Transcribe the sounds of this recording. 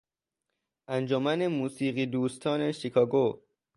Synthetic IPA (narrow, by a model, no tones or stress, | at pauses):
ʔænd͡ʒomæne̞muːsiːɢiːd̪uːst̪ʰɒːneʃikʰɒːɡo